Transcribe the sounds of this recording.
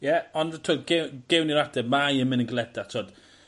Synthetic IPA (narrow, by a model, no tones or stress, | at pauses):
jɛɔnətʰoːdɡeɡ̥ɛwniɾadɛmajəmɪnənɡlˠɛdatʰoːd̥